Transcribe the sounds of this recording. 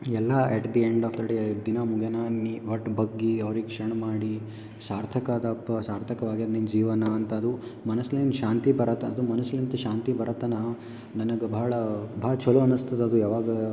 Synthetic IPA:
ɛlːɐɛʈd̪ieɳɖaːfd̪ɐɖeːd̪inaːmuɡʱɐnaniʋɐʈːbɐɡːiɐʋɐɾiɡekʂɐɾɳɐmaːɽi | saːɾt̪ʰɐkɐd̪ɐpːɐsaːɾt̪ʰɐkɐʋaːɡiɐd̪nind͡ʒiːʋɐnɐːnt̪ɐːd̪umɐnɐslenʃaːnt̪ibɐɾɐt̪ɐːd̪umɐnɐsilɐnt̪ɐʃaːnt̪ibɐɾɐt̪ɐnɐ | nɐnɐɡɐbɐɦɐɭɐbʱɐɦɐɭɐt͡ʃʰɐluɐnust̪ɐd̪eɐd̪ujaːʋaːɡɐ

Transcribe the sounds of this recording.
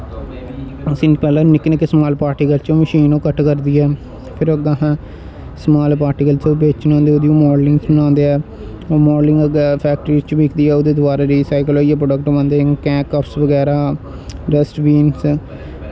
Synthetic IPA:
sɪnpɛːlãːnɪknəkːesmaːlpaːɾʈikəlt͡ʃõːməʃiːnõːkəʈkəɾd̪iːɛː | pʰɪɾəɡãːɦãː | smaːlpaːɾʈiːkəlt͡ʃobeːt͡ʃnãːnd̪eoːd̪iõːmɔːɖlɪ̃ŋɡsnãːnd̪eːɛː | oːmɔːɖlɪ̃ŋɡəɡɛːpʰɛːk̚ʈɾiːzt͡ʃbiːkʰd̪iːɛːʊd̪eːd̪ʊaːɾaːɾiːsaːɪkloːiɛːpɾoɖək̚ʈoːbənd̪eːkɛ̃ːkːəpʰsʋəɡɛːɾaː | ɾɛsʈʋiːns

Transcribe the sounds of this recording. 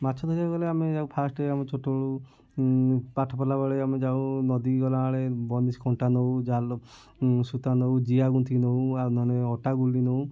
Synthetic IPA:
mat͡ʃʰɔd̪ʱɔɾiaɡɔleamed͡ʒawpʰasʈeamet͡ʃʰoʈoɽu | paʈʰɔpɔlabaɭeamed͡ʒaw̃nɔd̪iɡɔlaːɭebɔnisɡɔɳʈanowd͡ʒal | sut̪anowd͡ʒiaɡunt̪ʰinowanɔneɔʈaɡulːinow

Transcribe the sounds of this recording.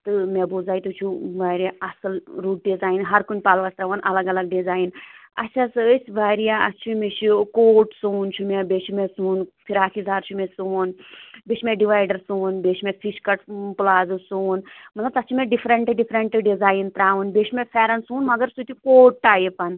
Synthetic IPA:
t̪ɨmebuzaːit̪ut͡ʃʰuʋaːɾʲijaɐsɐlɾuːʈ̚ɖizaːjinɦɐɾkunʲpaːlʋɐst̪ɾaʋɐnʔɐlɐɡɐlɐɡ̚ɖizaːjnɐ̰t͡ʃʰasɨsʲʋaːɾijaɐt͡ʃʰimet͡ʃʰukoːʈsuːnt͡ʃʰumebet͡ʃʰumesuːnpʰiɾaːkʰizaːɾt͡ʃʰumesunbeːt͡ʃʰmeɖiʋaːjɖɐɾsuːnbeːʃʰmefʰiʃkɐʈplaːzɨsoːnmɐt̪lɐb̚t̪ɐt͡ʃʰimeɖifʰɾɐɳʈɨɖifʰɾɐɳʈɨɖizaːjnt̪ɾaːʋunbeːt͡ʃʰimefʰeːɾɐnsuːnmɐɡɐɾsut̪ʲikoːʈʈaːjipɐn

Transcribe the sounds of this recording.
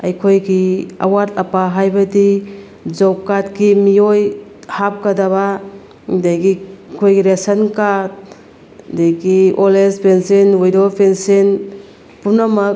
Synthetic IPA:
a̰jkʰojɡia̰waɾtapaɦajbɐdi | d͡ʒɔwkat̚ɡimiojhap̚kadaβa | dajɡikʰojɡiɾesɐnkat̚ | dejɡiolespʰensinwujdopʰensin | punamɐk̚

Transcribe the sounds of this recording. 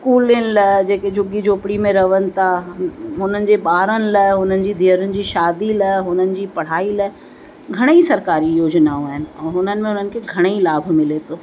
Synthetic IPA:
skuːlɪnɪlɐd͡ʑeːked͡ʑʱʊɡid͡ʑoːpɪɽimẽɾɐʋənɪ̆t̪ʰaɦʊnənɪ̆d͡ʑeːɓaːɾənɪ̆lɐɦʊnənɪ̆d͡ʑiːd̪ʱiːəɾʊnɪ̆d͡ʑiːʃaːd̪ilɐɦʊnənɪ̆d͡ʑiːpɐɽ̤aːilɐ | ɡʱɐɽ̃eisɐɾkaːɾijoːd͡ʑnaõaːɦɪnɪ̆ɛ̃ːɦʊnənɪ̆mẽɦʊn̤ənɪ̆kʰeɡʱɐɽ̃eilaːbʱmɪlet̪ʰoː

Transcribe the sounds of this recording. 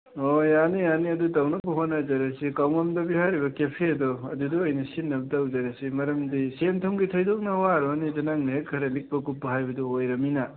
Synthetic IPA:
ojanianiɐdutawnɐbuɦonazɐɾɐsikawmɐmdɐbihaɾibɐkepʰiɐdɔɐduduojnɐsinːɐbɐtawzaɾɐsimɐɾɐmdisentʰomɡitʰɐjdok̚nɐwaɾɔnizɐnaŋnekʰɐɾɐlik̚pɐkupːɐɦajbɐduojɾɐmina

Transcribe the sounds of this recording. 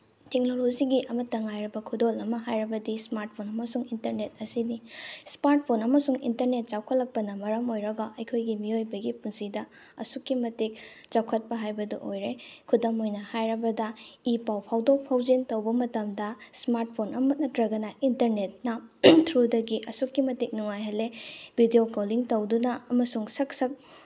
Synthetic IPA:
tek̚nolod͡ʒiɡiʔɐmɐtːɐŋajɾɐbɐkʰudolɐmɐɦajɾɐbɐdismaɾt̚pʰonɐmɐsuŋintɐɾnet̚ɐsinismaɾt̚pʰonɐmɐsuŋḭntɐɾnet̚t͡ʃawkʰɐt̚lɐk̚pɐnɐmɐɾɐmojɾɐɡɐʔɐjkʰojɡimiojbɐɡipunsidɐ | ɐsukːimɐtik̚ | t͡ʃawkʰɐt̚pɐɦajbɐdɐʔojɾekʰudɐmojnɐhajɾɐbɐdɐipawpʰawdopʰawd͡ʒintowbɐmɐtɐmdɐsmaɾt̚pʰonɐmɐt̚nɐtɾɐɡɐnɐʔintɐɾnet̚nɐtʰɾudɐɡiʔɐsukːimɐtik̚nuŋajɦɐlːebʱidijokoliŋtowdunɐɐmɐsuŋsɐk̚sɐk̚

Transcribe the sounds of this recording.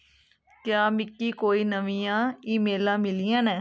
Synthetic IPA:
kjaːmɪkːiːkoːiːnəʋĩːjãːiːmeːlãːmɪlijãːnɛː

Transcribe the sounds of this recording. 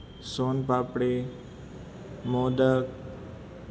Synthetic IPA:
soːnpaːpɽe | moːd̪ək

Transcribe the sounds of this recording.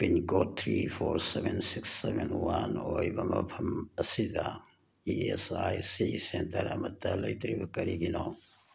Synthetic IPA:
pinkoːt̪ʰɾiːfoːɾseʋensiksːeʋenwanoːjbɐmɐ̰pʰɐmɐsid̪a | iesaːjsisent̪ɐɾɐ̰mɐt̪ːɐlɐit̪ɾibkɐɾiɡinoː

